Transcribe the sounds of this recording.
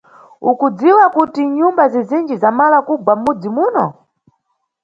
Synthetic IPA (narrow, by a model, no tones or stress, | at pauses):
ukud͡ziwakutiɲumbazɛzind͡ʒizamalakubwam̩mud͡zimuːnɔ